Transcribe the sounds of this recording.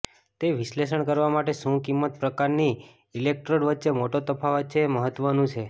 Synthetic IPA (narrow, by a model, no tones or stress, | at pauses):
t̪eʋislesəɳkəɾʋamaʈeʃũkimːət̪̚pɾəkaɾni | ilek̚ʈɾoɽʋətːʃemoʈot̪əpʰaʋətːt͡ʃʰeməɦət̪ːʋənũt͡ʃʰe